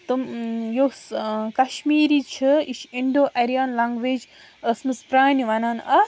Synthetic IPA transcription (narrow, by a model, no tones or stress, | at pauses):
t̪ɨmjoskɐʃmiːɾiːt͡ʃʰɨiʃʰiɳɖoːʔɐɾijaːnlaːŋɡʋeːd͡ʒ | əsmɨspɾaːniʋɐnaːnɐ